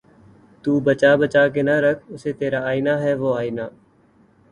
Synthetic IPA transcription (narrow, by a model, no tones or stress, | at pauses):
t̪uːbət͡ʃaːbət͡ʃaːk̬eːnəɾəkʰʊseːt̪eːɾaːaːinaːɦɛːʋoːaːinaː